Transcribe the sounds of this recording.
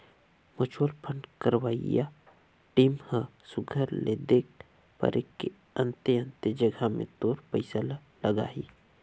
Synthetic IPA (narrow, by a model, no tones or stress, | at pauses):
mʊt͡ʃʰwəlpʰəɳɖkəɾwaːija̰ | ʈiːmhə̃sʊɡʱəɾled̪eːk̚ | pə̰ɾʔekːe | ɐ̃nt̪eə̃nt̪ed͡ʒəɡʱamḛ̃t̪oːɾpəɪsəla | ləɡa̰ːḭː